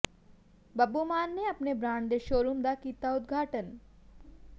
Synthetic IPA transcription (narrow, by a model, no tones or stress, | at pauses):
bɐbumaːnːeɐpnebɾãːɳd̪eʃoːɾumd̪akiːt̪aʊd̪ɡʱaːʈən